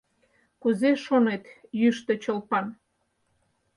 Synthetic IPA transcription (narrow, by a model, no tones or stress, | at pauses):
kuzeʃonet̪jyʃt̪et͡ɕəlpɑn